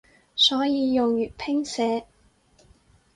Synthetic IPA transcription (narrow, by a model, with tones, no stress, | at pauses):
sɔː˨˥jiː˨˧jʊ˨ŋjyː˨t̚pʰɪ˥ŋsɛː˨˧